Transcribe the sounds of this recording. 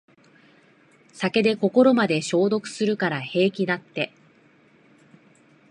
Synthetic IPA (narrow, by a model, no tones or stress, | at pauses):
sake̞d̪e̞ko̞ko̞ɾo̞mad̪e̞ɕo̞ːd̪o̞kɯ̟̥sɨɾɯ̟kaɾahe̞ːkʲid̪at̪ːe̞